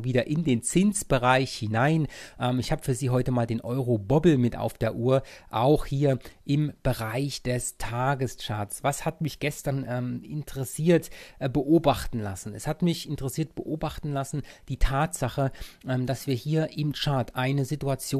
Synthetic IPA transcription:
viːdɐʔɪndeːnt͡sɪnsb̥əʁaɪçhɪnaɪnʔɛːmɪçhaːbəfyːɐziːɦɔʏtəmaːldeːnʔɔʏʁobɔbl̩mɪta̰ʊfd̥eːɐʔuːɐʔaʊxhiːɐʔɪmb̥əʁaɪçd̥ɛstʰaːɡəst͡ʃaɐsv̥ashatmɪçɡ̥ɛstɐnʔɛːmɪ̰ntʰəʁɛsiːɐtbəʔoːbaχtn̩la̰sn̩ɛshatmɪçɪntəʁɛsiːɐt̚b̥əʔoːbaχtn̩lasn̩d̥iːtʰaːtz̥aχəʔɛːmd̥asv̥iːɐhiːɐʔɪmt͡ʃaɐtʔaɪnəzɪtuat͡sjoː

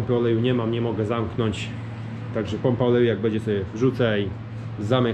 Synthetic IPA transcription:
mpɘɔlɛjuɲɛmamɲɛmɔɡɛzamknɔɲt͡ɕ | t̪aɡʐɛpɔmpaɔlɛjujaɡ̚bɛɲd͡ʑɛsɔbʲjɛvʐut̪saj | zamɛ

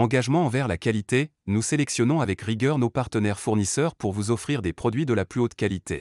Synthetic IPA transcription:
ɑ̃ɡaʒmɑ̃ɑ̃vɛʁlakalit̪e | nuselɛksjɔnɔ̃avɛkʁiɡʲœʁnopaʁt̪ənɛʁfuʁnisœʁpuʁvuzɔfχiʁd̪epχɔd̪ɥid̪əlaplyot̪kalit̪ʰḛ

